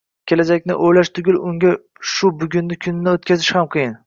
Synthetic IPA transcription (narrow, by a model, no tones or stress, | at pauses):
kʲʰe̞lad͡ʒakʲnɪ̰ʔojlaʃt̪ʰʊɡʲʊlʊŋɡʲa | ʃʊbʊɡʲʊnːɪkʲʰʊnːɪot̪̚kʲʰazɪʃhamqʰɨjɪn